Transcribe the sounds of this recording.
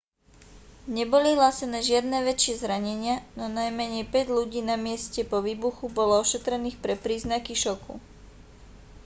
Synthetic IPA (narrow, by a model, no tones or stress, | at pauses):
ɲɛbɔliɦlasɛnɛːʒɪad̪̚nɛːʋɛt͡ʃɪɛzɾaɲɛɲɪanɔnajmɛɲɛpɛɟʎuɟiːnamɪɛscɛpɔʋiːbuxubɔlɔɔʃɛt̪ɾɛniːxpɾɛpɾiːznakiʃɔkṵ